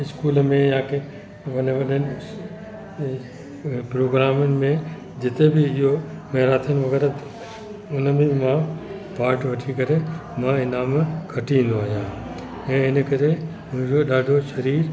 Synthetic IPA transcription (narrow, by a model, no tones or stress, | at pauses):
ɪskuːlmẽjãːke | ʋɐneʋɐɗən | pɾoːɡɾaːmɪn̆mẽ | d͡ʑɪt̪ebʱiɪɦomeːɾaːt̪ʰənɪʋɐɣɛːɾat̪ | ʊnəmĩmã | paːɾʈʋɐʈʰikɐɾemãɪnaːmkʰɐʈĩnd̪oaːjaː | ẽːɪnəkɐɾe | mʊ̃d͡ʒoɗaːɖʱoʃɐɾiːɾ